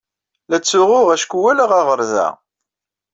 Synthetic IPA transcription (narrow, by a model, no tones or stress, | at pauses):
læt͡sːʊʁʊʁæʃkʷuwælæʁaʁəɾðæ̰